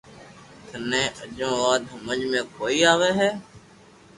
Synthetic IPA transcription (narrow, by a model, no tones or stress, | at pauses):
t̪ʰənẽːəd͡ʒõːʋaːd̪ɦəməd͡ʒmẽːkʰoːiːaːʋeːɦɛː